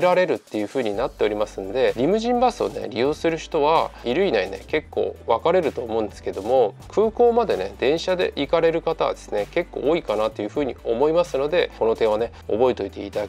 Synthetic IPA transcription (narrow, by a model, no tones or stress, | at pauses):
ɾaɾe̞ɾɯ̟t̪ːe̞jɯ̟ːɸɯ̟ːɲ̟inat̪ːe̞o̞ɾʲimasɨ̃nd̪e̞ɾʲimɯ̟ʑĩmbasɨo̰ne̞̰ɾʲijo̞ːsɨɾɯ̟çi̥t̪o̞βaiɾɯ̟inaine̞̰ke̞kːo̞̰ːβakaɾe̞ɾɯ̟t̪o̞ːmo̞ɯ̟̃nd̪esɨ̥ke̞d̪o̞mo̞ | kʰɯːko̞ːmad̪e̞ne̞d̪̥ẽ̞ɰ̃ɕad̪e̞̰ʔikaɾe̞ɾɯ̟kat̪a̰βa̰d̪esɨneke̞kːo̞̰ːikanat̪ːo̞jɯ̟ɸɯ̟ːɲ̟ḭo̞mo̞imasɨno̞d̪e̞ko̞no̞t̪ẽ̞ɰ̃ane̞ | o̞̰bo̞et̪o̞it̪e̞̰ḭt̪ad̪a